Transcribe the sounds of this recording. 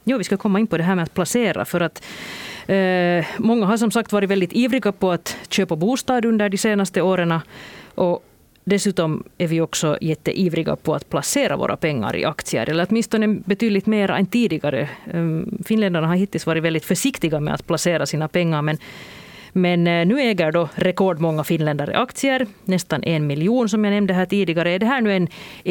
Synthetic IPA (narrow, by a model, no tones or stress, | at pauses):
juːvɪskakʰɔmːaɪnpɔd̪ɛɦæːɾmɛat̪̚pʰlaseːɾa̰fœɾat̪ | mɔŋːaɦaʂ̬ɔmsak̚t̪vɑːɾɪt̪vɛld̪ɪt̪iːvɾɪɡapʰɔat̪ɕøːpabuːst̪ɑːd̪ɵnd̪əɖɪseːnast̪əoːɾənaʔɔ | d̪ɛsʉːt̪ɔmæɾvɪɔksɔjɛt̪ːə̰ʔiːvɾɪɡa̰pʰɔa̰t̪pʰlaseːɾa̰vo̰ːɾa̰pɛŋːa̰ɾɪ̰ʔakt̪sɪə̰ɾʔɛlːəɾɔt̪mɪnst̪ɔnɛbɛt̪yːd̪lɪɡt̪meːɾaɛ̰nt̪iːd̪ɪɡaɾə̰ | fɪnlɛnd̪aɳaɦaɾhɪt̪ːɪlsvɑːɾɪt̪vɛld̪ɪt̪fœʂɪkt̪ɪɡamɛ̰a̰t̪pʰlaseːɾasiːnapʰɛŋːaɾmɛn | mɛnnːʉːɛːɡəɾɖɔɾɛkɔɖmɔŋːafɪnlɛnd̪aɾɪ̰ʔakt̪sɪəɾnɛst̪anʔɛnmɪljuːns̬ɔmjaːnɛmnd̪əɦæːʈiːd̪ɪɡaɾəɛɖɛɦæːɳʉ̟ːɛn